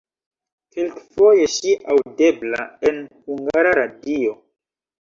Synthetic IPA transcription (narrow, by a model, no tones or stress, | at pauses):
kelkfo̞jeʃiʔawdeblae̞nhuŋɡaɾaɾadio